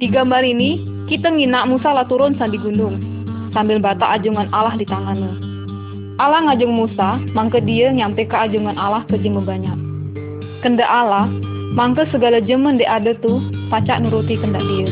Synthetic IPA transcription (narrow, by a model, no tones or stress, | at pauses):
diɡambalini | kit̪aŋinaʔmusalaht̪uɾʊnsandiɡunʊŋ | sambɪlbat̪aʔad͡ʒuŋanalahdit̪aŋanə | ʔalaŋad͡ʒʊŋmusamaŋkədiəŋampekaːd͡ʒuŋanalahkəd͡ʒəŋməbaɲaʔ̚ | kəndaʔalah | maŋkəsəɡalad͡ʒəməndɛʔadət̪upat͡ʃa̰ʔnuɾut̪ikəndaʔdiə